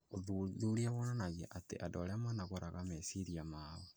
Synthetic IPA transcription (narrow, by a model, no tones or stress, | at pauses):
oðuðuɾiaβɔnanaɣa̰ʔatḛʔadoɾeamanaɣoɾaɣamɛsiɾiamaɔ